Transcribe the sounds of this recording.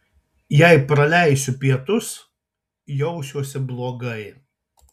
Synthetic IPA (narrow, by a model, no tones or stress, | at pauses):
jɛɪpɾɐlʲæˑɪsʲʊpʲiɛt̪ʊs | jɔʊʃʲuɔsʲɪblˠoːɡɐɪ